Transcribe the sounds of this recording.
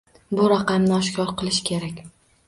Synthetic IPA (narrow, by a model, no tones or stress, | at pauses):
bʊɾaqʰɑmnɪɒʃkʰʲɒɾqʰɨlˠɪʃkʲʰe̞ɾakʲ